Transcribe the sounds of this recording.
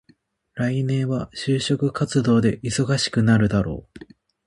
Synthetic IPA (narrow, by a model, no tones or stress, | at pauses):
ɾainẽ̞ɰ̃βaɕɨːɕo̞kɯ̟kat͡sɨd̪o̞ːd̪e̞ʔiso̞ɡaɕi̥kɯ̟naɾɯ̟d̪aɾo̞̰ː